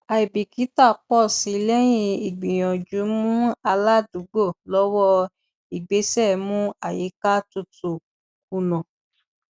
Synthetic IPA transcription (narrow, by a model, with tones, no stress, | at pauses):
a˨i˨bi˨ki˨˦ta˦˨k͡pɔ˦˨si˨˦lɛ˦j̃ĩ˧i˨ɡ͡bĩ˨j̃ɔ̃˨d͡ʒu˨˦mũ˦a˧la˦du˨˦ɡ͡bo˦˨lɔ˦wɔ˦ | i˨ɡ͡be˨˦sɛ˦˨mũ˦a˨je˨˦ka˦tu˧tu˨ | ku˧nɔ̃˨